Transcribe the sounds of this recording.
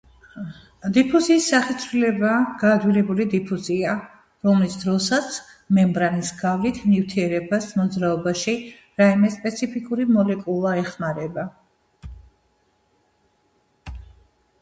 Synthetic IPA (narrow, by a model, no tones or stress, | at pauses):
d̪ipʰuziːsːaχit̪sʰɾilɛbaɡ̥aːd̪wilɛbulid̪ipʰuzia | ɾɔmlisd̪ɾɔsat̪sʰ | mɛmbɾanisɡavlit̪ʰnift̪ʰiɛɾɛbasmɔd̪zɾaɔbaʃi | ɾaimɛspʼɛt̪sʰipʰikʼuɾimɔlɛkʼulˠaɛχmaɾɛba